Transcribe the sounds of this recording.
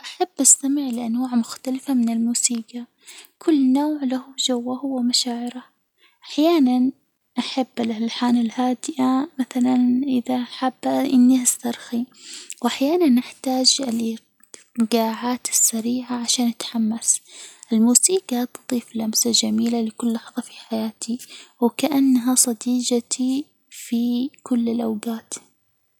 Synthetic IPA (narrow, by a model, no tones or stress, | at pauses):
ʔaħabːʔast̪amɪʕɪlʔanwaːʕmʊxt̪alafamɪnɪlmuːsiːɡa | kʰʊlːnoːʕlahʊd͡ʒawːahʊwːamaʃaːʕɪɾa | ʔaħjaːnan | ʔaħabːɪlalħaːnɪlhaːd̪ɪʔamaθalanʔɪðaħabːaʔɪnːiʔast̪ɑɾˤxiwʔaħjaːnanːɪħt̪aːd͡ʒɪl | ɡaːʕaːt̪ɪ̥sːaɾiːʕaʕaʃaːnat̪ħamːasʔɪlmuːsiːkat̪t̪ˤiːflamsad͡ʒamiːlalɪkʊlːɑħðˤɑfi̥ħajaːt̪ʰiwɪkaʔanːɦasˤɑd̪iːd͡ʒat̪i | fikʊlːɪlʔawɡaːt̪